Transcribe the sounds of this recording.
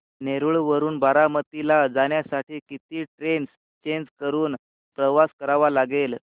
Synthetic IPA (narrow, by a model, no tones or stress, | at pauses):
neɾuɭʋəɾuːnbʱaɾamət̪ilad͡zaɳjasaʈʰiːkit̪iːʈɾens | t͡ɕend͡zkəɾuːn | pɾəʋaskəɾaʋalaɡel